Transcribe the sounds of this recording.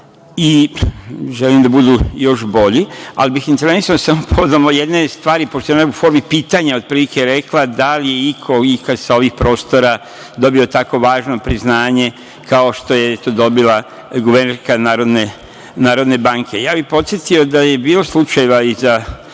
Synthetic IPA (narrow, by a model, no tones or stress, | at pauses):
i | ʒelimd̪abud̪ujo̞ʃbo̞ʎia̰libixint̪eɾe̞nisanosamopʰoʋed̪omoje̞d̪ne̞st̪ʋaːɾipoʃt̪oanufo̞ɾmipiːt̪aɲao̞d̪̚pɾiːlikeɾe̞klad̪alijeikʰo̞ikad̪sao̞ʋixpɾo̞ːst̪o̞ɾa | d̪o̞bio̞t̪ako̞ʋaːʒnopɾiznaːɲe̞ | kʰao̞ʃt̪o̞jet̪od̪o̞bila | ɡuʋerneɾskanaːɾo̞d̪ne | naːɾo̞d̪ne̞baŋkʰe̞jaːbixpo̞t̪sjet̪io̞d̪aje̞biːlo̞slˠut͡ʃajeʋaiza